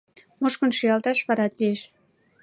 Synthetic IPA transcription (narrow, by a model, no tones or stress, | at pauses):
moʃkŏnʃiɑlt̪ɑʃβɑɾɑt̪lieʃ